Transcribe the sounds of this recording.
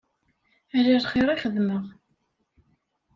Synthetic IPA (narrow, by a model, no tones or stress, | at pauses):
æɾæɾχeɾˤiχəðməʁ